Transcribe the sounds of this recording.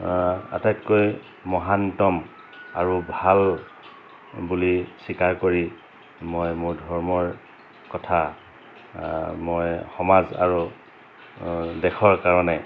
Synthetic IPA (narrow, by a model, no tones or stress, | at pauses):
a̰tatkoj | mɔɦantɔm | aɹubʱal | bulisikaɹkoɹi | mojmʊɹdʱɔɹmɔɹ | kɔtʰa | mojxɔmaza̰ɹu | dɛkʰɔɹkaɹɔnɛ